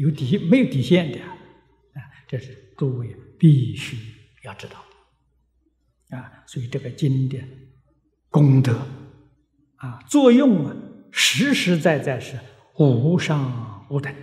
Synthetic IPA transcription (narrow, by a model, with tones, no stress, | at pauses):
jo˧˥ʊt̪i˨˩˥me˧˥ɪjo˧˥ʊt̪i˨˩ɕjɛ˥˩nd̪ə˨˩ | a˥˧ʈ͡ʂɤ˥˩ʂɻ̩˥˩t̪u˥˧we˥˩ɪpi˥˧˩ɕy˥ | jɑ˥˩ʊʈ͡ʂɻ̩˥t̪ɑ˥˩ʊd̥̪ə | a˥˧swɔ˧˥i˨˩ʈ͡ʂɤ˥˩ɡə˩t͡ɕi˥nd̪ə˨˩n | kʊ˥ŋt̪ɤ˧˥˦ | a˧t͡swɔ˥˧jʊ˥˩ŋɐ˨ʂɻ̩˧˥ʂɻ̩˧˥t͡sa˥˧ɪt͡sa˥˧ɪʂɻ̩˥˩ | xʊ˨˩ʂɑ˥˧ŋu˧˥˩d̪ə˨˩